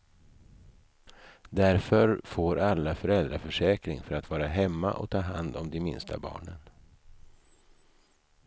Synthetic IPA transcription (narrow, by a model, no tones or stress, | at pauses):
d̪æɾfœɾfoːɾʔalːafœɾɛld̪ɾafœʂɛːkɾɪ̰ŋfœɾat̪vɑːɾaɦɛmːa̰ʔɔ̰k̚t̪ʰɑːɦand̪ɔmd̪ɛmɪ̰nst̪ʰabɑ̰ːɳən